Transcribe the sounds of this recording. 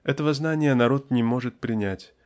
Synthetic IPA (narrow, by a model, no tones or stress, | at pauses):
ɛt̪əvəznanʲɪjənɐɾo̞t̪nʲɪmo̞ʐɨt̪̚pɾʲɪnʲætʲ